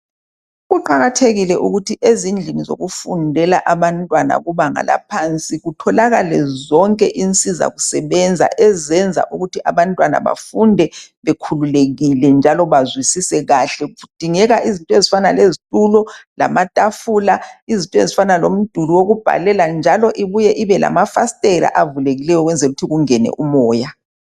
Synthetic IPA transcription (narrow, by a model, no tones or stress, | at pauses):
ɣuǃaɣatʰeɣilɛʔuɣutʰiʔezind͡ɮʱinizo̰ɣufṵndʱɛlaʔaβantʼwana̰ɣuβaŋa̰la̰pʰant͡sʼiɣutʰɔlaɣalɛzɔŋkʼɛʔint͡sʼiza̰ɣusɛβɛnd͡zʱa̰ʔɛzɛnd͡zʱa̰ʔuɣutiʔaβantʼwana̰βa̰fundʱɛβɛkʰululeɣilɛnd͡ʒʱalɔβazwisisɛɣaɬɛd̥ʱiŋɛɣaʔizintʼɔezifana̰lezitʼulɔla̰matʼafuːlaizintʼɔezifanalom̩d̥ʱuluwoɣub̥ʱa̰lɛland͡ʒʱalɔʔiβujɛʔiβɛla̰mafastʼɛɾa̰ʔavuleɣilɛjɔɣwɛnd͡zʱɛluutʰiɣuŋɛnɛ̰ʔumɔːja